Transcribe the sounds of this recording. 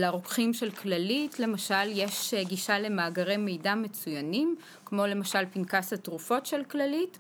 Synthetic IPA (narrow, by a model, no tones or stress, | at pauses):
laʁokχimʃe̞lklalitle̞maʃaljeʃɡiʃale̞maːɡaʁejmejdame̞t͡sujanim | kmo̞le̞maʃalpinkasatʁufo̞tʃelklalit